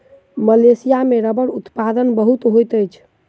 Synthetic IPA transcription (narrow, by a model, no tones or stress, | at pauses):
məlesijameɾəbəɽut̪pad̪ənbəɦut̪ɦojt̪əjt͡ʃʰ